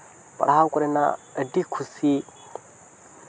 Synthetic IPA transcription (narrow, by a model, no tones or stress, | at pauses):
pa̰ɽahakʷuɾena̰ədikʰusi